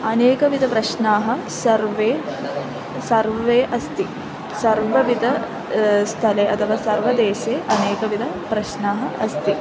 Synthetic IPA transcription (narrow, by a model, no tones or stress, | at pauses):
ɐneːkɐʋid̪ʱɐpɾɐʃnaːɦɐ̆ | sɐɾʋeː | sɐɾʋʋeːʔɐst̪i | sɐɾʋɐʋid̪ʱɐ | st̪ʰɐleːʔɐt̪ʰɐʋaːsɐɾʋɐd̪eːʃeːʔɐneːkɐʋid̪ʱɐ | pɾɐʃnaːɦɐʔɐst̪i